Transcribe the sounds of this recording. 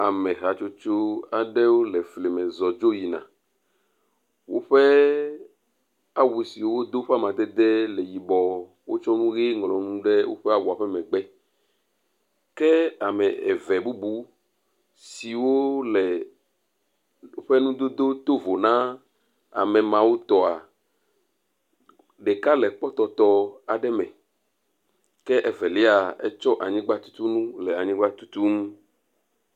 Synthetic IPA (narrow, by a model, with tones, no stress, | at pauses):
a˨mɛ̃˨ɦa˨t͡ʃo˦t͡ʃo˦a˨ɖɛ˦wo˦lɛ˨fle˨mɛ̃˨zɔ˨d͡ʒo˦ji˨nã̰˨ | wo˦ɸɛ˦ | a˨wu˨si˨wo˦wo˦d̪o˦ɸa˦mã˨d̪ɛ˦d̪ɛ˦lɛ˨ji˨bɔ˨ | wo˦t͡ʃɔ˦nũ˦ɣe˦ŋ˨lɔ̃˨nũ˦ɖɛ˦wo̰˦ɸɛ˦a˨wu˨a˨ɸɛ˦mɛ̃˨ɡ͡bɛ˦ | kɛ˦a˨mɛ̃˨ɛ̰˨vɛ˨bu˦bu˦ | si˨wo˦lɛ˨ | o˦ɸe˦nũ˦d̪o˦d̪o˦t̪o˦vo˨nã˦ | a̰˨mɛ˨mã˨wo˦t̪ɔ˨a˨ | ɖe˨ka˦lɛ˨k͡pɔ˦t̪ɔ˨t̪ɔ˦a˨ɖɛ˦mɛ̃˨ | kɛ˦ʔɛ˦vɛ˨le˦a˨ɛ˦t͡ʃɔ˦ʔa˨ɲĩ˦ɡ͡ba˦t̪u̥˦t̪u˦nũ˦lɛ˨a˨ɲĩ˦ɡ͡ba˦t̪u˦t̪u˦nũ˦